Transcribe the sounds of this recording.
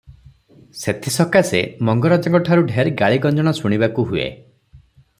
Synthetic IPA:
set̪ʰisɔkasḛmɔŋɡɔɾad͡ʒɔŋkɔʈʰaɾuɖʱeɾɡaɭiɡɔnd͡ʒɔɽ̃ɔsuɽ̃ibakuɦuḛ

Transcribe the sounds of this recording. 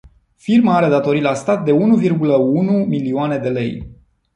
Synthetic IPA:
firmaaɾe̞d̪at̪o̞ɾilast̪at̪̚d̪e̞unuvirɡuləunumilioane̞d̪e̞le̞̰j

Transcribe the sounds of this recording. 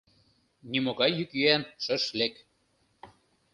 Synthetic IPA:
nimoɣɑjːykjyænʃə̆ʃlek

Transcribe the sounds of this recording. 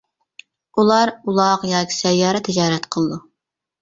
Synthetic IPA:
ulˠɑɾulˠɑqjɑːkʲʰi̥sɛjːɑːɾɛt̪ʰɪd͡ʒɑːɾɛt̪qʰəlˠɨd̪u

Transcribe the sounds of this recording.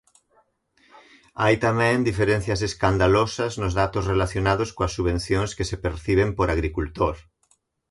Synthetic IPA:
ajt̪amɛ̃ŋd̪ifeɾẽn̟θjɐs̬eskand̪alosɐznʊzðat̪ʊsrelaθjonaðʊskoasːuβẽn̟θjoŋskesepeɾθiβ̞empoɾaɣɾikult̪oɾ

